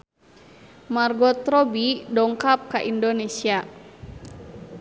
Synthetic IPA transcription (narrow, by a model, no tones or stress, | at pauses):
marɡɔt̪ɾɔbidɔŋkap̚kaʔindonesia